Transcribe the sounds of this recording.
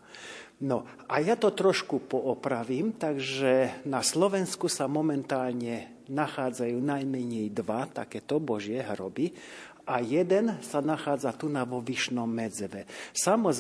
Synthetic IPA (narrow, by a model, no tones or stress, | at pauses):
nɔ | ʔajat̪ɔt̪ɾɔʃkupɔʔɔpɾaʋiːmt̪aɡʒɛnaslɔʋɛnskusamɔmɛnt̪aːlɲɛ | naxaːd͡zajuːnajmɛɲɛjd̪ʋat̪a̰kɛːt̪ɔbɔʒɪɛɦɾɔbi | ʔajɛd̪ɛnsanaxaːd͡zat̪unaʋɔʋiʃnɔmːɛd͡zʋɛsamɔz